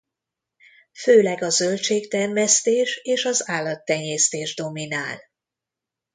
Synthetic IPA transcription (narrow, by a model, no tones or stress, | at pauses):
føːlɛɡɒzølt͡ʃeːkt̪ɛrmɛst̪eːʃeːʃɒzaːlːɒt̪ːɛɲeːst̪eːʒd̪o̞minaːl